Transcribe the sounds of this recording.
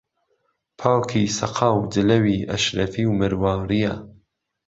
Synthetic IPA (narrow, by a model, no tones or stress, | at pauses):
pʰaːwkʰisɐqʰɑːwdɪlɐwiːʔɐ̰ʃɾɐfiwmɨɾwɑːɾija